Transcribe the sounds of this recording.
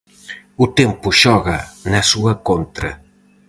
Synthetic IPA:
ut̪empuʃɔɣɐnɐsuɐkont̪ɾɐ̰

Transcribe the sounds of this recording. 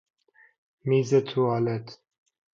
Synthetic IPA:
miːzɛt̪ʰuaːlɛt̪

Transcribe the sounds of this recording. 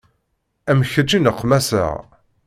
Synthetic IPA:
æmçəd͡ʒinəqʰːmæsə̰ʁ

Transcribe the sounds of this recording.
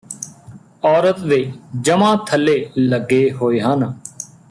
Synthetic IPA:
ɔːɾət̪ʋed͡ʒəmãːt̪ʰəlːeːləɡːeːɦoːeːɦən

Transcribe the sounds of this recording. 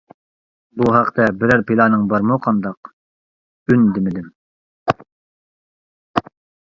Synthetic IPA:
buɦæqt̪ʰɛbɪɾæɾpilˠɑːnɨŋbɑɾmɨqʰɑnd̪ɑq | ynd̪ɪmɪd̪ɪm

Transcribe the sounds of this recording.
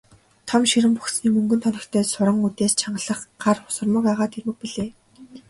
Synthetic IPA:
t̪ʰɔmʃiɾɘ̆mpuxsniːmɵŋɡɵ̆nt̪ʰɔnʲɪ̆kt̪ʰeːsʊɾɞ̆ŋut̪eːst͡ɕʰaɴɢə̆ɮə̆χɢarʊ̥sə̆rmə̆kaʁaːt̪ermɘ̆k̚piɮeː

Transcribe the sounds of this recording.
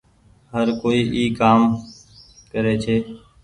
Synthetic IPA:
ɦəɾkoːiːʔiːkaːm | kəɾeːt͡ʃʰeː

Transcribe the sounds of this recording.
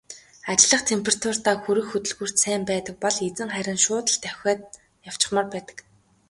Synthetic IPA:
at͡ɕɪ̆ɮə̆χt̪ʰempʰerat̪ʰur̥t̪aːxuɾɘ̆xːɵt̪ɵ̆ɮɣuːr̥t̪sæːmpæːt̪ə̆k̚pɔɮet͡sɘ̆ŋχæɾʲɪ̆nʃʊːt̪ə̆ɮt̪ʰœxʲɔːt̪̚ | jaw̥t͡ɕɪ̥̆χmə̆rpæːt̪ə̥̆k

